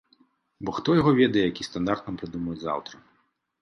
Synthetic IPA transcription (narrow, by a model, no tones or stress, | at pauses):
bɔxt̪ɔjaɣɔvʲɛd̪ɐjɛjakʲist̪and̪art̪nɐmpɾɨd̪umɐjɛd͡zʲza̰wt̪ɾɐ